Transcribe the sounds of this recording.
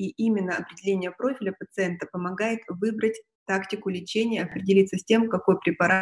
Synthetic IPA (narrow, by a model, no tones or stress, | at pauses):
iʔimʲɪnːəɐpɾʲɪdʲɪlʲenʲɪjəpɾo̞fʲɪlʲəpət̪sɨɛnt̪əpəmɐɡajɪt̪vɨbɾətʲ | t̪aktʲɪkʊlʲɪt͡ɕenʲɪjəɐpɾʲɪdʲɪlʲit̪səsʲtʲe̞mkɐko̞jpɾʲɪpɐɾa